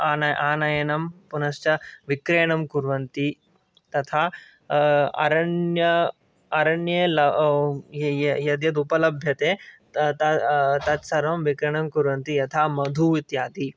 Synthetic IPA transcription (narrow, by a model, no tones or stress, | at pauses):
anɐʔaːnɐjɐnɐmpunɐst͡ʃɐʋikɾeːɳɐmkuɾʋɐnt̪i | t̪ɐt̪ʰaː | ɐ̰ɾɐnjɐ | ɐɾɐɳjelɐ | jɐd̪jɐt̪̬upɐlɐbʱjɐt̪eː | t̪ɐt̪ɐt̪sɐɾʋɐmʋikɾeːɳɐmkuɾʋɐnt̪ijɐt̪ʰaːmɐd̪ʱuːʋit̪jaːt̪i